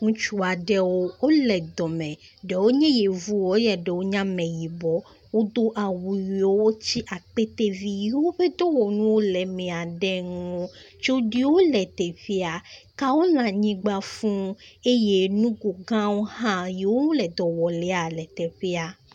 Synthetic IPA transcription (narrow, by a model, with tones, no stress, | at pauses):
ŋũ˦t͡ʃu˦a˨ɖɛ˦wo˦o˦lɛ˨d̪ɔ˨mɛ̃˨ | ɖɛ˨wo˦ɲẽ˦je˨vu˦˨o˦jɛ˨ɖɛ˨wo˦ɲã˦mɛ̃˨ji˨bɔ˦ | wo˦d̪o˦ʔa˨wu˨wi˨wo˦wo˦t͡ɕi˦ʔa˨k͡pe˦t̪e˦vi˦ji˨wo˦ɸe˦d̪o˦wɔ˨nũ˦wo˦lɛ˨mɛ̃˨a˨ɖɛ˦ŋõ˦ | t͡ʃo˦ɖi˦wo˦lɛ˨t̪ɛ˨ɸi˦a˨ka˦wo˦lã˨ɲĩ˦ɡ͡ba˦fũ˦e˦je˦nũ˦ɡo˨ɡã˦wo˦hã˦je˨wo˦o˦lɛ˨d̪ɔ˨wɔ˨lɛ˨˦a˨lɛ˨t̪ɛ˨ɸi˦a˨